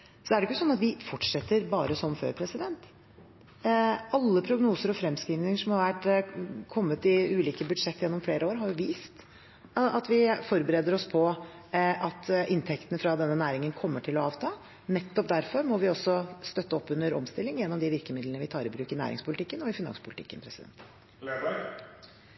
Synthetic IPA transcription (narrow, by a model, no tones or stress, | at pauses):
sɔæɖɛjʊkːʊsɔnːɑt̪ʋɪfɔʈʂɛt̪ːəɾbɑːɾəsɔmfø̰ːɾpʰɾɛsɪd̪ɛnt̪ | ɑlːəpʰɾʊɡnuːsəɾɔfɾɛmskɾiːʋnɪŋəʂɔmhɑɾʋæʈkʰɔmːət̪ɪʉːliːkəbʉd̪ʂɛt̪ːjɛnːɔmfleːɾəoːɾɦɑɾjʊʋiːst̪ | ɑt̪ʋɪfɔɾbəɾeːd̪əɾɔspʰɔ | ɑt̪ʔɪnt̪ʰɛkt̪ənəfɾɑd̪ɛnːənæːɾɪŋənkʰɔmːəʈʰɪlɔɑːʋt̪ʰɑː | nɛt̪ːɔp̚d̪æɾfɔɾmɔʋɪɔsːɔst̪œt̪ːəɔpːʉnːəɾɔmst̪ɪlːɪŋjɛnːɔmd̪ɪʋɪɾkəmɪd̪lənəʋɪt̪ʰɑːɾɪbɾʉːkɪnæ̰ːɾʔɪ̰ŋspʰʊlɪt̪ʰɪkːənɔɪfɪnɑ̰nspʰʊlɪt̪ɪ̰kːənpʰɾɛsɪd̪ɛ̰nt̪